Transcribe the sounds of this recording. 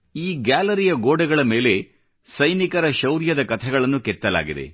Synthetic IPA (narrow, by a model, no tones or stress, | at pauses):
iːɡjaːlɐɾijɐɡoːɖɐɡɐɭɐme̞ːle̞ | sɐjnikɐɾɐʃɐwɾjɐd̪ɐkɐt̪ʰɛɡɐɭɐnːukɛt̪ːɐla̰ːɡid̪e̞̰